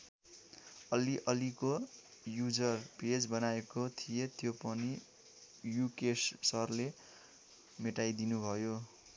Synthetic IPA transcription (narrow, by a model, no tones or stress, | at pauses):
ʌliʔʌlikojud͡zʌrped͡zbʌnaekot̪ʰijet̪jopʌni | jukessʌrle | meʈajd̪inubʱʌjo